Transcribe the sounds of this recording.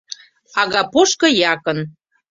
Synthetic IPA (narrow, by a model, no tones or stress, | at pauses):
ɑɣɑpoʃkɤ̆jɑkən